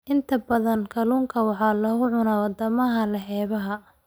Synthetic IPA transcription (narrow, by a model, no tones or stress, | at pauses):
ʔɪnt̪ʰɐbɐðɐnkʰɐluːŋkʰɐwɑħɑːlɐhʊʕʊnaːwɑd̪ɐmɐɦɐlɐħɛːβɐɦɐ